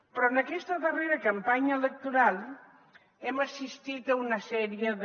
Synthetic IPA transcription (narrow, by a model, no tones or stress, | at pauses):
pɾɔənəkɛst̪əðəreɾɐkɐmpaɲəelək̚t̪uɾalˠ | ɛməsist̪it̪ɐunəsɛɾiəð